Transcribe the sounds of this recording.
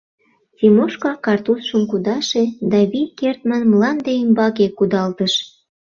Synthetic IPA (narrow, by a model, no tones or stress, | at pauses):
t͡sʲimoʃkɑkɑrt̪usʃəmkud̪ɑʃed̪ɑβijkert̪mɑnmlɑnd̪eimbɑɣekud̪ɑlt̪əʃ